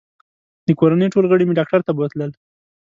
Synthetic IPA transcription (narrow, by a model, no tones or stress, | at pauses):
d̪əkoɾanəjʈolɣəɽimeɖɑk̚ʈaɾt̪abət̪ləl